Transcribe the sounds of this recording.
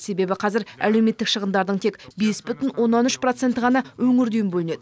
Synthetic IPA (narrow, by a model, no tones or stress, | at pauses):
se̞be̞bɪqʰɑzɪɾæ̰le̞wme̞t̪ːɪkʃəʁəmd̪ɑɾd̪əɴt̪ʰe̞kbe̞sbʏt̪ɪnwo̞nːɑnʏʃpro̞t̪se̞nt̪əʁɑnɑwɵŋɪɾd̪ejɪmbɵlɪne̞d̪ɪ